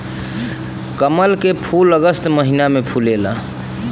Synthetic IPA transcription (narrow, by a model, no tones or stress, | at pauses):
kəməlkepʰuləɡəst̪məɦinamepʰulela